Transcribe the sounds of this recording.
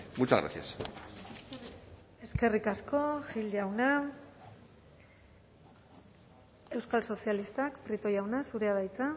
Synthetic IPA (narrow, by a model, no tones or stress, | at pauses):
mut͡ʃaɣɾa̰sia̰s | e̞ske̞rikasko̞ʝild̪awna | e̞wskalso̞sialist̪akpɾit̪o̞jawnasuɾe̞að̞ajt͡sa